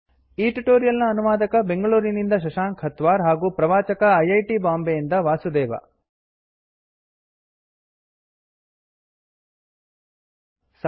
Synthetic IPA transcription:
iːʈiʈoːɾijɐlnɐːnuʋaːd̪ɐkɐbe̞ŋɡɐɭuːɾinind̪ɐʃ̬ɐʃaːŋkhɐt̪ʋaːɾɦaːɡuːpɾɐʋaːt͡ʃɐkɐːjɐjʈibaːmbejind̪ɐʋaːsud̪ɛːʋɐ̰ | s

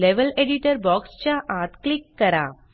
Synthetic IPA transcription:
leʋɐleɖɪʈɐɾbaːkst͡ʃaːʔaːt̪klɪkːɐɾã̰ː

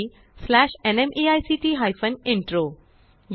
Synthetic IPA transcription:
slæɕenemʔiajsiʈiːɦajfəniɳʈɾo | j

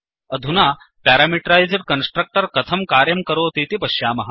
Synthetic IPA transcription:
ɐd̪ʱunaː | paːɾaːmiʈɾajziɖ̚kɐnsʈɾɐk̚ʈəɾkɐt̪ʰɐmkaːɾjɐmkɐɾoːt̪iːt̪ipɐɕjaːmɐɦa

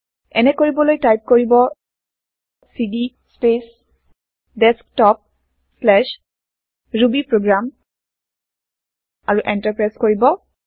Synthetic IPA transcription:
ɛnɛkoɹibɔlojtajp̚koɹibɔ | sidi | spes | dɛsktɔp̚ | slɛʃ | ɹubipɹoɡɹam | aɹuʔɛntaɹpɹajskoɹibɔ

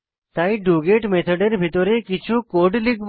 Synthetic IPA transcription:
t̪ajɖuɡeʈmet̪ʰɔɖeɾbʱit̪ɔɾekit͡ɕʰukoɖliɡb

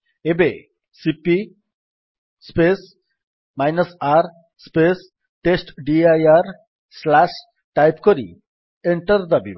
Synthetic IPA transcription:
ebe | sipi | spes | majnɐsaɾ | spes | ʈesʈɖiajaɾ | slaʃ | ʈajpkoɾḭ | eɳʈɐɾd̪abḭb

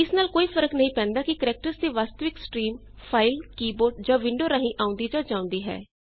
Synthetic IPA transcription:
ɪsnaːlkoːiːpʰəɾəknəɦĩːpɛ̃ːnd̪aːkɪkəɾɛːk̚ʈəɾsd̪iːʋaːst̪əʋɪksʈɾiːm | pʰaːɪlkiːboːɾʈd͡ʒãːʋɪ̃ɳɖoːɾaːɦĩːʔaːʊ̃nd̪iːd͡ʒaːd͡ʒãːʊ̃nd̪iːɦɛ̰ː

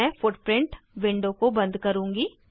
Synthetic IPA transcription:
ɛ̃fʊʈpɾɪ̃ɳʈʋɪ̃ɳɖõkobɐ̃nd̪kɐɾũːŋɡi

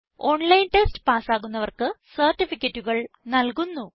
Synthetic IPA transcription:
o̞ɳlɐjnʈestɨ̥paːsaːɣunːɐʋɐrkɨsɐrʈːifikʲːɐtːuɣɐɭnɐlkunːu

